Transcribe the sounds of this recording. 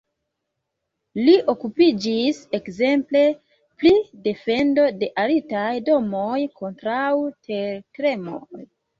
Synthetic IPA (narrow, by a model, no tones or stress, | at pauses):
liʔo̞kupid͡ʒise̞kze̞mple̞ | plide̞fe̞ndo̞de̞ʔaɾitajdo̞mo̞jkʰo̞ntɾawte̞ɾkɾe̞mo̰j